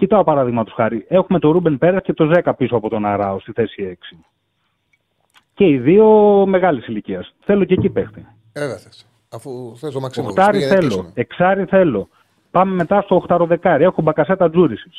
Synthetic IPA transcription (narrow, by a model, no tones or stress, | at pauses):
cit̪ɐopɐɾɐðiɣmɐt̪osxɐɾie̞xumet̪o̞ɾubenpe̞ɾɐsce̞t̪o̞ze̞kɐpisoɐpo̞t̪o̞nɐɾɐo̞st̪iθe̞sie̞ksi | ce̞iðio̞me̞ɣɐlisiliciɐsθe̞locecipext̪i | oxt̪ɐɾiθθe̞lo̞eksɐɾiθe̞lo̞ | pɐme̞me̞t̪ɐst̪o̞xt̪ɐɾo̞ðe̞kɐɾie̞xobɐkɐse̞t̪ɐd͡zuɾisis